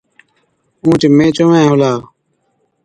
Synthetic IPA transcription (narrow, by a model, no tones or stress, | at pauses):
ũːt͡ʃmẽːt͡ʃomẽːɦolaː